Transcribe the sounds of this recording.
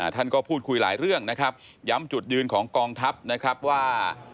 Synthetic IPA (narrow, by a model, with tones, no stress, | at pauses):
ʔa˧˨˩t̪ʰa˥˩nkɔː˥˩pʰuː˥˩t̪̚kʰu˧jla̰ː˩˦jɾɯ˥˩əŋna˦˥kʰa˦˥p̚ | ja˦˥mt͡ɕu˨˩t̪̚jɯː˧nkʰɔː˩˦ŋkɔː˧ŋt̪ʰa˦˥p̚na˦˥kʰɾa˦˥p̚waː˥˩